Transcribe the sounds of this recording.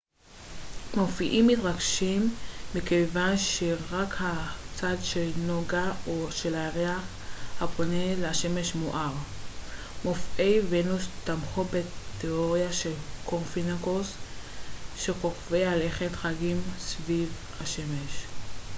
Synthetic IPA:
mo̞fiʔimːit̪ʁaɡʃimːikejvanʃeʁakhat͡sadʃelnoɡaoʃelaʁeaχ | hapo̞neleaʃe̞me̞ʃmoʔaʁ | mofʔejvenust̪amχobeteoʁjaʃe̞lkʰoʁfinakos | ʃekoχveale̞χetχaɡimsviv | haʃe̞me̞ʃ

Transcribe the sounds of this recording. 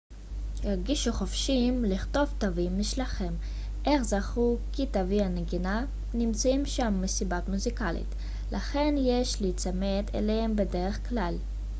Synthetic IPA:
jaʁɡiʃuχofʃimliχto̞vt̪avimːiʃlaχem | ʔe̞χzaχukitavianeɡina | nimt͡saimʃamːesibatmuzikalḭt | lʔaχe̞njeʃlit͡samet̪ʰḛlehembedeʁeχklal

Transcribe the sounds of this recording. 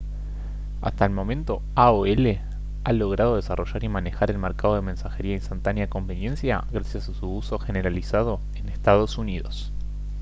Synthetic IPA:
a̰st̪aelmo̞mẽ̞nt̪o̞ | aoele | alo̞ɣ̞ɾað̞o̞ð̞e̞sarʔo̞ʒaɾimane̞xaɾe̞lmeɾkað̞o̞ð̞emẽ̞nsaxe̞ɾiainst̪ant̪anjako̞mbe̞nje̞nsja̰ɣɾasjasasuuso̞xe̞ne̞ɾalisað̞o̞ | enest̪að̞o̞suniðo̞s

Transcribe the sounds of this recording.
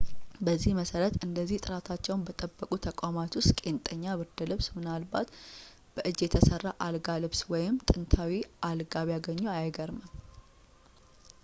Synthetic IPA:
bəzːihməsəɾət̪ɨnd̪əzːiht̪ʼɨɾat̪ʰat͡ʃːɛwnbət̪ʼəbːəkʼut̪ʰəkʼamat̪wʊst̪kʼe̞nt̪ʼəɲːaβɨɾd̪əlɨβsmɨnalbat̪ | b̥əʔɨd͡ʒjɛt̪ʰəsərːaʔalɡalɨβswɔjɪmt̪ʼɨnt̪ʰawiʔalɡaβjaɡəɲːoajɡəɾməm

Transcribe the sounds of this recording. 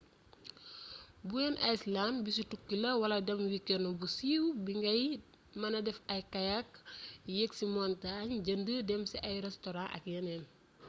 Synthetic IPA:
buɛnʔɐjslanbis̬utukːilɐwɐlɐdɐmwikːɛnɔbusiwbiŋɡɐj | mɐnɐdɛfɐjkajakjeksimɔntaɲd͡ʒɐndədɛmsɛʔɐjɾɛstɔɾãʔɐ̰kjɐnɛn

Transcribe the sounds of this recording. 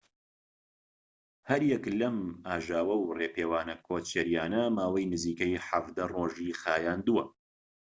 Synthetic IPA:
hɐɾjɛklɐmaːʒaːwɐwreːpeːwaːnɐkʰoːt͡ʃɛɾjaːnɐmaːwɐjnɨziːkɐjħavd̪ɐroːʒiːxaːjaːnd̪uwɐ

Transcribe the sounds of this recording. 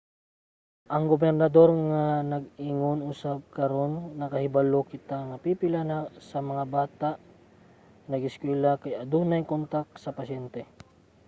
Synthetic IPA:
ʔɐŋɡobɛɾnɐd̪o̞ɾŋanɐɡ̚iŋonʔʊsab̚kɐɾo̞nːɐkɐhɪbalokɪt̪aŋɐpiːpɪlanasɐmɐŋabaːt̪aʔ | nɐɡɪskwɛːlakajɐd̪uːnajŋkont̪ak̚sɐpɐsɛnt̪ɛ

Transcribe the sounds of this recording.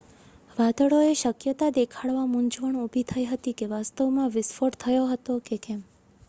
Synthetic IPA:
ʋad̪əɭoeʃəkjət̪ad̪ekʰaɭʋamũɲd͡ʒʋəɳubʱit̪ʰəjɦət̪ikeʋast̪əʋmãʋɪsfoʈt̪ʰəjoɦət̪okekɛm

